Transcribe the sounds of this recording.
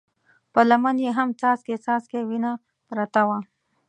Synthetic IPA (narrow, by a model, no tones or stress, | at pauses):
pəlɐmanjeɦamt͡saːsket͡saːskewina | pɾat̪awa